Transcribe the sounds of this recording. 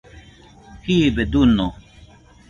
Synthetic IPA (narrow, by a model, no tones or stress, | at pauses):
kibed̪unːo